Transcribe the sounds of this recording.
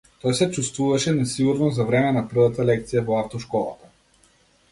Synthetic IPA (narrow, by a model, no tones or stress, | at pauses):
t̪ɔjsɛt͡ʃust̪vuvaʃɛnɛsiɡuɾnɔzavɾɛmɛnapr̩vat̪alɛk̚t̪sijavɔaft̪ɔʃkɔlˠa̰t̪a